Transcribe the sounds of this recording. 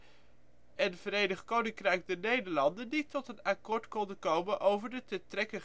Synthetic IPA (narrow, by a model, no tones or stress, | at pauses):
ʔənvəɾejnəχkownɪŋkrɛjk̚dənejdəɹlɑndənditɔtənakʊːɹtkɔndəkowmənʔowvəɹdətətrɛkə